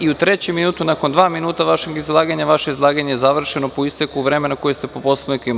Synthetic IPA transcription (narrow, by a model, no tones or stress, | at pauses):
iut̪ɾe̞t͡ɕeminuːt̪unako̞nd̪ʋaːminuːt̪aʋaʃeɡizlˠaːɡaɲaʋaʃeizlˠaːɡaɲejezaʋr̩ʃeno̞poist̪ekuʋɾe̞menakojest̪e̞popo̞sˠoʋnik